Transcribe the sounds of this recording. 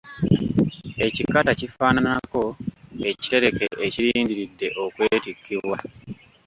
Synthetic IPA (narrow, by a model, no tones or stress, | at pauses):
e̞cikatacifaːnanako̞e̞ci̥te̞ɾe̞ke̞ʔːciɾiːndiɾidːe̞ʔo̞kwe̞ːtikːiβwa